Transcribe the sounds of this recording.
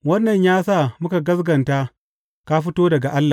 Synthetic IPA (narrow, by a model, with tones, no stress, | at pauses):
wɐ˦nːɐ˨ɲjaː˦sa˦˨mʊ˦ka˨ɡɐ˦sɡɐ˨ntaː˦ | ka˦ɸɪ˦toː˦dɐ˨ɡa˨ʔa˦lːa˨